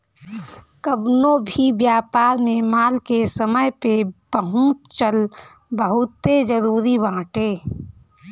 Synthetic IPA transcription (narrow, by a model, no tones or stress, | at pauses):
kəbnobʱibjaːpaːɾmẽmaːlkesəməjpebəɦũːt͡ʃəl | bəɦʊt̪ːed͡ʒəɾuːɾibãːʈeː